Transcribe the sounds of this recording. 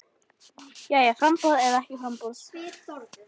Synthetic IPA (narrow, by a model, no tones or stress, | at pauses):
jajafɾampɔðɛðaɛhcɪfɾampɔð